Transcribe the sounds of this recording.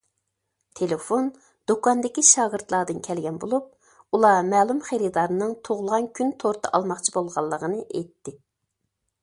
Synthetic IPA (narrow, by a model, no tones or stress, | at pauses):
t̪ʰelefon | d̪̥okɑnd̪ɪkʲiʃɑːɡəɾt̪lˠɑːd̪ɨnkʲʰɛlɡʲɛnbolˠup̚ | ulˠɑmɛːlˠumχeɾɨd̪ɑɾnɨŋt̪ʰoʁʊlˠʁɑnkʲʰynt̪ʰoɾt̪ʰəʔɑ̰lˠmɑχt͡ʃʰibolˠʁɑlˠːəʁənɨʔejt̪ːɪ